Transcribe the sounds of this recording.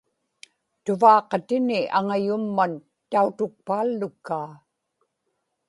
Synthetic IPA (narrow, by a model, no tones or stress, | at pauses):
t̪ʊvɑːqɑt̪ɪnɪʔaŋajʊmːan | t̪aut̪ʊk̚paːlːʊkːaː